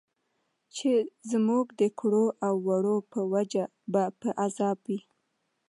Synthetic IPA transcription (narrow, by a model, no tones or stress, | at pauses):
t͡ʃezmuɡd̪əkɽoʔawːaɽopəwad͡ʒa | bapəʔazɑbwi